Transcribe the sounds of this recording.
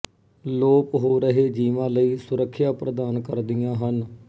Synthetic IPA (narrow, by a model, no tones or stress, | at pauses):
loːpɦoːɾəɦeːd͡ʒiːʋãːləiːsʊɾəkʰːjaːpɾəd̪aːnkəɾd̪ɪjãːɦən